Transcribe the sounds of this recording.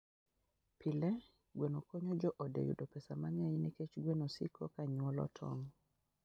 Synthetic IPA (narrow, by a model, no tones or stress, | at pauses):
pʰilɛ | ɡwenokoɲɔd͡ʒɔʔɔdḛjṵdopɛsamaŋajinɛket͡ʃɡwenosḭkʰɔkaɲwɔlɔ̰tʰɔ̰ŋ